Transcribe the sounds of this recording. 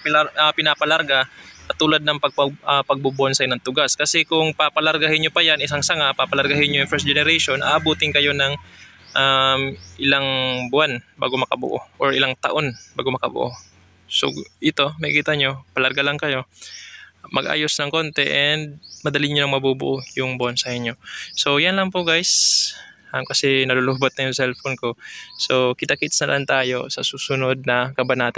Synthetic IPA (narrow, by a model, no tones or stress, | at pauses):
paʔapɪnapɐlaɾɡakɐt̪uːlɐd̪̚nɐŋpɐɡ̚pɐpɐɡ̚bubʊonsɐjonɐŋt̪ʊɡaskɐsɛkʊŋpapɐlɐɾɡahɪnɲːopɐjanʔɪsaŋsɐŋapapɐlɐɾɡahɪnɲojʊŋfɛɾs̚d͡ʒɛnɛɾajʃo̞nʔa̰ːʔɐbuːt̪ɪŋkɐjo̞nɐŋ | ʔamʔɪlaŋbʊanba̰ːɡomɐkɐbʊ̰ʔo̰ʔoɹʔɪlaŋt̪ɐʔo̞nba̰ːɡomɐkɐbʊ̰ʔo̰ | so̰ʔɪt̪o̞mɐjkiːt̪ɐɲo̞pɐlɐɾɡalɐŋkɐjo̞ | mɐɡʔa̰ːjo̞snɐŋko̞nt̪ɛʔɛnd̪̚mɐd̪ɐliɲonɐŋmɐbubʊ̰ʔojʊŋbʊʔansɐʔɪɲjo̞so̞wjɐnlɐŋpoʔɡajs | ʔɐmkɐsɛnɐloloːbot̪̚nɐjʊŋsɛlfonko̞so̞kɪt̪akit̪snɐlʔant̪aːjo̞̰sɐsuːsʊnod̪̚nɐkɐbɐnaːt̪a